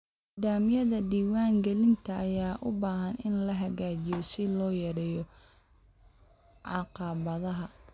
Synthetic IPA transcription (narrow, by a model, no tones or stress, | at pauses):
d̪aːmɪjɐðɐd̪iːwaːŋɡɛlɪnt̪ʰɐːjaːʔʊbaːɦɐnɪnlɐɦɐɣaːt͡ʃɪjɔsɪlɔːjɐɾɛjɔ | ʕɑqɑβɐðɐɦɐ